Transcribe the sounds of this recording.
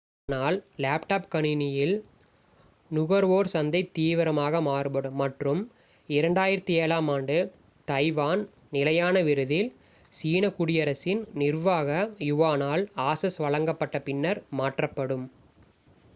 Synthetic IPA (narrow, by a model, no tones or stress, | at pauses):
naːllaːpʈaːpkɐɳɪnɪjɪl | nʊɣɐɾʋoːɾsɐnd̪ɐɪt̪iːʋɪɾɐmaːɣɐmaːɾɯpɐɽɯmːɐʈrɯm | ɪɾɐɳɖaːjɪɾɐt̪ːieːlaːmaːɳɖɯ | t̪ɐɪʋaːn | nɪlɐjaːnɐʋɪɾɯðɪl | siːnɐkʊɽɪjɐɾɐsɪnnɪɾʋaːɣɐjʊʋaːnaːlaːsɐsʋɐɻɐŋɡɐpːɐʈːɐpɪnːɐɾmaːʈrɐpːɐɽɯm